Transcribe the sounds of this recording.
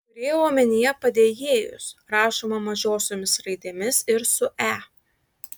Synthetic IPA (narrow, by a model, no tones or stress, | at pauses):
kʊɾʲeːjooːmʲɛnʲɪjɛpɐd̪ʲeːjeːjʊ̰sɾɑːʃoːmɐmɐʒʲoːsʲomʲɪsɾɐɪd̪ʲeːmʲɪsɪɾsʊʔæː